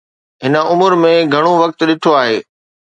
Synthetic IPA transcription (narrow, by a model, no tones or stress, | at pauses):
ɦɪnə̆ʔʊmʊɾmẽɡʱɐɽ̃oʋɐk̚t̪̆ɗɪʈʰoaːɦeː